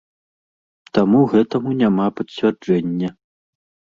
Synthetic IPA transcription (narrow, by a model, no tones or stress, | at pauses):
t̪amuɣɛt̪ɐmunʲamapɐt͡sʲvʲard͡ʐɛnʲːɐ